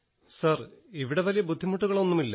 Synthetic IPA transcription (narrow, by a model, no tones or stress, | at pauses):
sɐriʋiɽe̞ʋɐlijɐbud̪ʱːimuʈːuɣɐɭo̞nːumilːɐ